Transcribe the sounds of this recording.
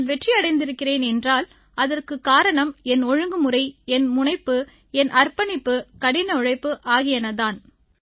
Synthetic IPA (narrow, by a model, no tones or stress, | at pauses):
lʋɛʈriɐɽɐɪnd̪ɪɾɯkːɪreːnɛndraːl | ʔɐðɐrkɯkːaːɾɐɳɐmɛnɔɻɯŋɡɯmɯrɐɪɛnmʊɳɐɪpːɯ | ɛnʔɐrpɐnɪpːɯkɐɽɪnɐɔɻɐɪpːɯʔaːɣɪjɐnɐðaːn